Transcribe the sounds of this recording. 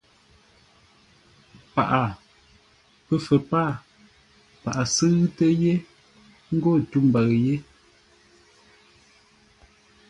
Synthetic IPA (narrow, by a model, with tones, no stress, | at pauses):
pa̰˨ʔa˨ | pə˦fə˨paː˦˨ | pa˨ʔa˨sɨ˦ɣtə˦je˦ | ŋ̩˦ɡo˦˨tu˦m̩˨ba˨ɣje˦